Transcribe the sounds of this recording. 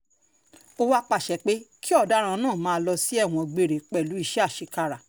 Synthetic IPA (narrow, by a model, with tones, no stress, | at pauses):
o˧wa˦k͡pa˨ʃɛ˨k͡pe˦ki˦ɔ˦˨da˨˦ɾ̃ã˧nãː˦˨mãː˨˦˧lɔ˧si˦ɛ˦˨w̃ɔ̃˧ɡ͡be˧˨ɾe˨k͡pɛ˦˨lu˨˦i˦˧˨ʃɛ˦a˦˨ʃi˧ka˧ɾa˨